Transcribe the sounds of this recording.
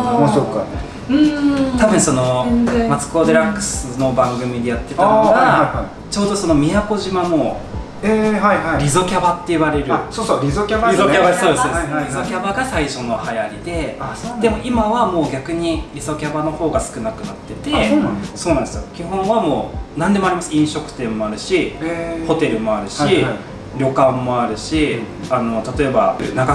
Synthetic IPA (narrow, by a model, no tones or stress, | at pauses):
masokːane | ɯ̟̃t̪abɯ̟̃ɰ̃so̞no̞mat͡sɨ̥ko̞d̪eɾãŋkɯ̟̥sɨno̞bãŋɡɯ̟mʲid̪e̞jat̪ːe̞t̪anoɡaa | t͡ɕo̞ːd̪o̞so̞no̞mʲijako̞ʑimano̞ | eːhaihaiɾʲizo̞kʲabat̪ːe̞iβaɾe̞ɾɯsoːsoɾʲizokʲabaɾʲizokʲabaso̞ːd̪esoːdsɾʲizo̞kʲabaɡasaiɕo̞no̞hajaɾʲid̪e̞ad̪e̞mo̞ʔimaβamo̞ːɡʲakɯ̟ɲ̟iɾʲizo̞kʲabano̞ho̞ːɡasɨ̥kɯ̟nakɯ̟nat̪ːe̞t̪e̞oso̞ːnãnd̪esɨjokʲiɦõɰ̃βamo̞ːnãnd̪e̞moaɾʲimasɨĩɰ̃ɕo̞kɯ̟̥t̪ẽ̞mːo̞aɾɯ̟ɕieho̞t̪e̞ɾɯ̟mo̞aɾɯ̟ɕi | ɾʲo̞kãmːo̞aɾɯ̟ɕi | ano̞t̪at̪o̞e̞banaka